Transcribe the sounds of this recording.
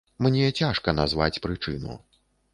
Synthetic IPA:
mnʲɛt͡sʲaʂkɐnazva̰t͡sʲpɾɨt͡ʂɨ̰nṵ

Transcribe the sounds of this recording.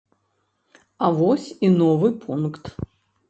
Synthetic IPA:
avɔsʲinɔvɨpʰunkt̪

